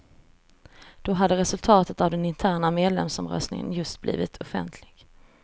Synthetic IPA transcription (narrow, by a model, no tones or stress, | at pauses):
d̪̥ɔɦad̪ːəɾɛsɵlt̪ʰɑːt̪ət̪avd̪ɛnɪnt̪ʰæːɳameːd̪lɛ̰msɔmɾœ̰st̪nɪ̰ŋə̰njɵst̪̚blḭːvɪt̪ʰɔfɛ̰nt̪ʰlɪɡ̥